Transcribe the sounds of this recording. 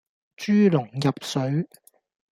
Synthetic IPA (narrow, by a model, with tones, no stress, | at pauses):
t͡ʃyː˥lʊ˨˩ŋjɐ˨p̚sɵ˨˥ɥ